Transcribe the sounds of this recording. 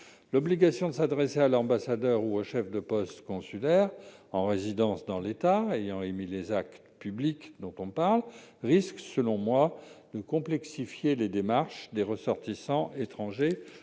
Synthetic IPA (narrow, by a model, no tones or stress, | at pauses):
lɔbliɡasjɔ̃d̪əsad̪ʁesealɑ̃basad̪œʁuoʃɛfd̪əpɔst̪kɔ̃sylɛʁɑ̃ʁezid̪ɑ̃sd̪ɑ̃let̪aejɑ̃emilezak̚t̪pyblikd̪ɔ̃t̪ɔ̃paʁlʁisksəlɔ̃mwad̪̥əkɔ̃plɛksifjeled̪emaʁʃd̪eʁəsɔʁt̪isɑ̃ʔet̪χɑ̃ʒe